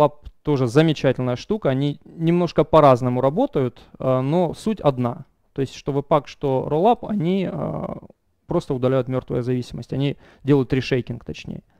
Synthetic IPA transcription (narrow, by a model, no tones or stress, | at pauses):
ap̚t̪o̞ʐɨzəmʲɪt͡ɕætʲɪlʲnəjəʂt̪ukəɐnʲinʲɪmno̞ʂkəpɐɾaznəmʊɾɐbo̞t̪əjʊt̪əno̞sutʲɐd̪na | t̪o̞ɪsʲtʲʂt̪o̞vɨpakʂt̪oɾolˠapɐ̰nʲiə̰ | pɾo̞st̪əʊd̪ɐlʲæjʊt̪mʲo̞rt̪vəjəzɐvʲisʲɪməsʲtʲɐnʲi | dʲe̞lˠəjʊt̪ɾʲɪʂejtʲɪnkt̪ɐt͡ɕnʲḛjə